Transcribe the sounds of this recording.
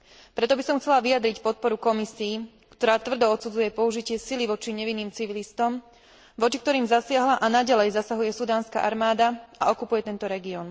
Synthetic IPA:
pɾɛt̪ɔbisɔmxt͡sɛlaʋijad̪ɾicpɔt̪̚pɔɾukɔmisiː | kt̪ɔɾaːt̪ʋr̩d̪ɔɔt̪sud͡zujɛpɔuʒicɪɛsiliʋɔt͡ʃiɲɛʋinːiːmt͡siʋilist̪ɔm | ʋɔt͡ʃik̚t̪ɔɾiːmzasɪaɦlaʔanaɟalɛjzasaɦujɛsud̪aːnska̰ʔaɾmaːd̪aaɔkupujɛt̪ɛnt̪ɔɾɛɡiɔn

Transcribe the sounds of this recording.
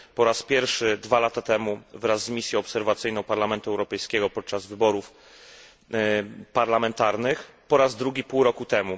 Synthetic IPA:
pɔɾaspʲjɛɾfʂɘd̪valat̪at̪ɛmuvɾazːmʲisʲjɔ̃ɔpsɛɾvat̪sɘjnɔ̃w̃paɾlamɛnt̪uɛwɾɔpɛjskʲɛɡɔpɔt̪̚t͡ʂazvɘbɔɾuf | paɾlamɛnt̪aɾnɘx | pɔɾazd̪ɾuɡʲipuwɾɔkut̪ɛmu

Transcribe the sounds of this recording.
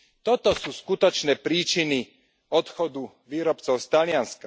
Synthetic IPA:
t̪ɔt̪ɔsuːskut̪ɔt͡ʃnɛːpɾiːt͡ʃini | ɔt̪xɔd̪u | ʋiːɾɔpt͡sɔʊst̪alɪanska

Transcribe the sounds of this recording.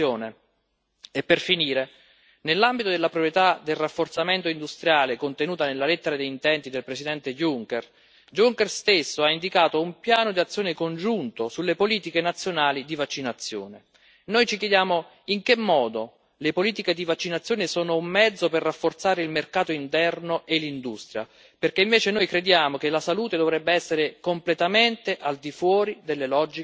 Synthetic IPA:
joːne | epːerfiniːɾe | nelːambit̪od̪elːapɾopɾjet̪ad̪elrafːort̪sament̪oind̪ust̪ɾjaːlekont̪enuːt̪anelːalet̪ːeɾad̪ejint̪ɛnt̪id̪elpɾesid̪ɛnt̪ejuŋkɛr | d͡ʒuŋkɛrst̪esːoaind̪ikaːt̪oumpjaːnod̪iat̪sːjoːnekond͡ʒunt̪osulːepoliːt̪ikenat̪sːjonaːlid̪ivat͡ʃːinat̪sːjo̰ːne | nojt͡ʃik̬jɛd̪jaːmo | iŋk̟emːɔːd̪o | lepoliːt̪iked̪ivat͡ʃːinat̪sːjoːnesoːnoumːɛd̪zːoperːafːort̪saːɾeilmerkaːt̪oint̪ɛrnoʔelːind̪ust̪ɾja̰ | perkeiɱveːt͡ʃenojkɾed̪jaːmokelasaluːt̪ed̪ovɾɛbːeɛsːeɾekomplet̪ament̪eʔald̪ifwɔːɾid̪elːelɔd͡ʒːi

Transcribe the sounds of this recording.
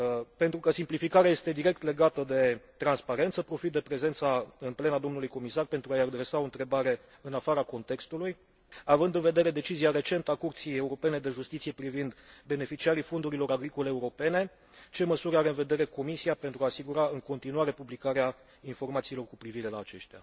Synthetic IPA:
pe̞nt̪ɾukəsimplifikaɾeaje̞st̪e̞d̪iɾe̞k̚t̪le̞ɡat̪əd̪e̞t̪ɾanspaɾe̞nt̪səpɾo̞fit̪̚d̪e̞pɾe̞ze̞nt̪saɨnple̞nad̪o̞mnulujko̞misarpent̪ɾuajad̪ɾe̞sao̞ɨnt̪ɾe̞baɾe̞ | ɨnafaɾako̞nt̪e̞kst̪uluj | avɨnd̪ɨnve̞d̪e̞ɾe̞d̪e̞t͡ʃiziaɾe̞t͡ʃe̞nt̪əakurt̪sije̞uɾo̞pe̞ne̞d̪e̞ʒust̪it̪sije̞pɾivind̪be̞ne̞fit͡ʃiaɾifo̞nd̪uɾilo̞ɾaɡɾiko̞leːuɾo̞pe̞ne̞ | t͡ʃe̞məsuɾaɾe̞ɨnve̞d̪e̞ɾe̞ko̞misiape̞nt̪ɾuaːsiɡuɾaɨŋko̞nt̪inuaɾe̞publikaɾea | info̞rmat̪siːlo̞rkupɾiviɾe̞laːt͡ʃe̞ʃt̪ea̰

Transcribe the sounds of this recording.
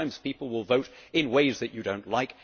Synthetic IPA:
ɪ̃mz̥pipl̩ˠwɪlˠvoʊɾɪ̃nweɪzðɨt͡ʃɨdõʊ̃nʔlaɪk

